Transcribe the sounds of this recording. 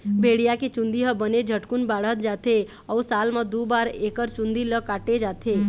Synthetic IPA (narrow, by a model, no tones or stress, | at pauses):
bʱeːɽijaket͡ʃũnd̪iɦəbəned͡ʒʱəʈkunbaːɽ̤ət̪̚d͡ʒat̪ʰe | ɔusaːlmad̪ubaːɾekəɾt͡ʃũnd̪iləkaːʈed͡ʒat̪ʰe